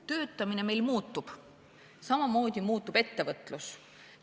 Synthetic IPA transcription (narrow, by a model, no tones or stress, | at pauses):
t̪ø̞ːt̪ːˑɑmine̞me̞jlmuːt̪ˑːub̥ | sɑmɑmo̞ːd̪̥ʲimuːt̪ːˑub̥e̞t̪ːe̞vɤt̪ˑlus